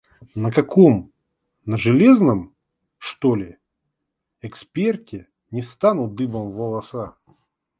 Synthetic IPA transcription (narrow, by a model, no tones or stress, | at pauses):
nəkɐkom | nəʐɨlʲeznəm | ʂt̪olʲɪ | ɛkspʲe̞rtʲɪ | nʲɪst̪anʊt̪̚d̪ɨbəmvəlˠɐsa